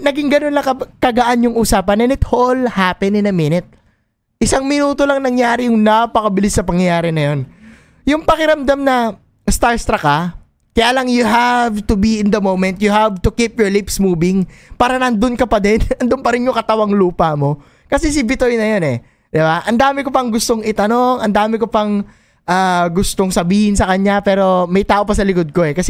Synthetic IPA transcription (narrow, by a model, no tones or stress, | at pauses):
nɐɡɪŋɡɐno̞nːɐkɐkɐɡɐʔanjʊŋʔuːsaːpɐnɛnɪt̪holhaːpɛnɪnɐmɪnɪt̪̚ | ʔɪsaŋmɪnuːt̪o̞lɐŋnɐŋjaːɾɪjʊŋnɐpɐkɐbɪlɪsːɐpɐŋjɐjaːɾɛnɐjo̞n | jʊŋpɐkɪɾɐmd̪amnɐ | st̪aɹst̪ɾɐkɐ | kɐjaːlɐŋjʊɦavt̪ʊbiɪnd̪ɐmowmɛnt̪̚jʊhavt̪ʊkip̚jɔɹlɪpsmuːbɪŋpaːɾɐnɐnd̪ʊnkɐpɐd̪ɛnɐnd̪ʊnpɐɾɪnjʊŋkɐt̪ɐwɐŋluːpɐmo̞ | kɐsɛs̬ɪbɪt̪ojnɐjo̞nɛ | d̪̥ɪbaʔɐnd̪aːmɪkopɐŋɡʊst̪o̞ŋɪt̪ɐno̞ŋɐnd̪aːmɪkopɐŋ | ʔaːɡʊst̪oŋsɐbiːhɪnsɐkɐɲapɛːɾo̞mɐjt̪aːʔo̞pɐsɐlɪkod̪̚ko̞ɛkɐsɛ